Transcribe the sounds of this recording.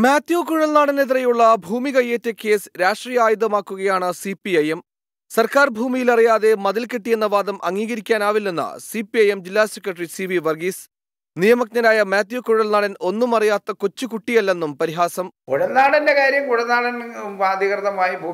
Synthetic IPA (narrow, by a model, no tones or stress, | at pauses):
maːt̪joːkuɻɐlnaːɽɐneðirɐjuɭːɐbʱuːmikɐjːetːeke̞ːsɾaːʂʈriːjɐaːjud̪ɐmaːkːuɣɐjaːɳɨsipiɐjem | sɐrkaːrbʱuːmijilɐrijaːðe̞mɐðɐlkeʈːije̞nːɐʋaːd̪ɐmʔɐ̰ŋːiːɣɐɾikʲːaːnaːʋilːe̞nːɐ̰sipiɐjemd͡ʑilːaːsekɾɐʈɐrisiʋiʋɐrɡis | nijɐmɐknɐɾaːjɐmjaːt̪joːkuɻɐlnaːɽɐno̞nːumɐrijaːt̪ːɐko̞t͡ɕːukuʈːijɐlːe̞nːumpɐɾiɦaːsɐmkuɻɐlnaːɽɐndekaːɾjɐmkuɻɐnːaːɽɐnʋaːd̪ʱjikrt̪ːɐmaːjibʱuː